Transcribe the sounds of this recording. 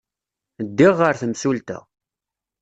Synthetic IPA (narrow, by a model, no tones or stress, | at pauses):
d̪ːɪʁːəɾθəmsult̪æ̰